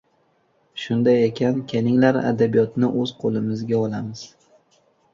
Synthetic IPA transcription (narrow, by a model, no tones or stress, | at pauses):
ʃʊnd̪ajekʲʰankʲʰenɪŋlaɾa̰d̪abijɒt̪nɪʔɵz̥qʰolɪmɪzɡʲaɒlˠamɪz̥